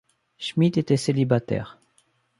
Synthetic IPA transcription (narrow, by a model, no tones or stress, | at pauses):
ʃmit̪et̪ɛselibat̪ɛ̰ːʁ